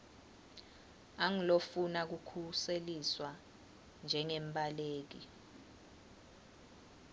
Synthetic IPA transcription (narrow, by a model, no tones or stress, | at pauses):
aŋilofunak̬ukʰuseliswa | nd͡ʒʱɛŋɛmɓʼaleːk̬i